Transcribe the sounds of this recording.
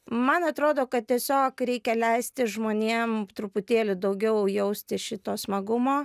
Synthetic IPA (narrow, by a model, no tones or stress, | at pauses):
mɐnɐt̪ɾoːd̪oːkɐt̪̚t̪ʲiɛsʲoːkɾʲɛɪkʲɛlʲɛɪsʲt̪ʲɪʒmoːnʲeːmt̪ɾʊpʊt̪ʲeːlʲʊd̪ɐʊɡʲɛʊjɛʊsʲt̪ʲɪʃʲɪt̪oːsmɐɡʊmoː